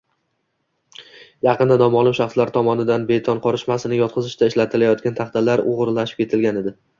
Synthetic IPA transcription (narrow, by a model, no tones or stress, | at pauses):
jɑqɨnd̪ad̪ɒmɒlˠɪmʃɑχslaɾt̪ʰɒmɒnɪd̪anbe̞t̪ʰɒnqʰɒɾɪʃmasɪnɪjɒt̪̚qʰɨzɪʃd̪aɪʃlat̪ʰɪlajɒt̪̚ɡʲant̪ʰɑχt̪ʰalaɾʊʁɾlaʃɪ̥p̚kʰʲe̞t̪ʰɪlɡʲaned̪ɪ